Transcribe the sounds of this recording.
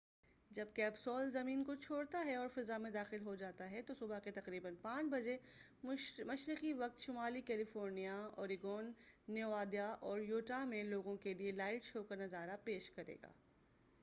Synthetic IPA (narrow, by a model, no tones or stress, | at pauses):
d͡ʒɐb̚kɛːbsɔːlzɐmiːnkot͡ʃʰoːɽt̪aɦɛɔːɾfɪzamẽd̪aːxɪlɦod͡ʒaːt̪aɦɛt̪osʊbaket̪ɐqɾiːbənpãːt͡ʃbɐd͡ʒe | mɐʃɾɪqiʋɐq̚t̪ʃʊmaːlikɛːlɪfoːɾnijaɔːɾɪɡɔːnːeaːd̪ijaʔɔːɾjoːʈamẽloːɡõkelielaːɪʈʃoːkɐɾnɐzaːɾapeːʃkɐɾḛːɡa̰ː